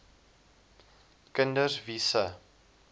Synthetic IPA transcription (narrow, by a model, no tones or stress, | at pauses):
kəndəsvisə